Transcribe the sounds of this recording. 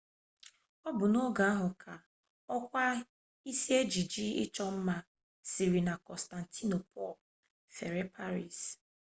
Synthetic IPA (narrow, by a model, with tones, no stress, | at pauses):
ɔ˦bʊ˨nɔ˦ɡa˨a˦ɦʊ˨kʰa˨ | ɔ˦kʷa˦ | i˦si˦e˦d͡ʒi˨d͡ʒi˦ɪ̰˦t͡ʃɔ˦m̩˦ma˦ | si˨ɾi˨na˨kɔ˨sta˨n̩˨tʰi˦no˨pʰɔ̰˦˨l | fe˨ɾe˦pʰa˦ɾi˦˨s